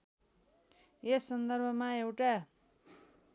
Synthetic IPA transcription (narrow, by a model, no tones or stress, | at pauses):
esːʌnd̪ʌrbʱʌmaewʈa